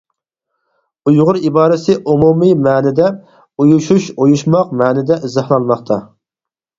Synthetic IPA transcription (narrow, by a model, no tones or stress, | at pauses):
ujʁʊɾibɑːɾɪsɪʔumumimæːnɪd̪ɛ | ujuʃuʃojuʃmɑq̚mæːnɪd̪ɛʔɪzɑhlˠɑnmɑχt̪ʰɑ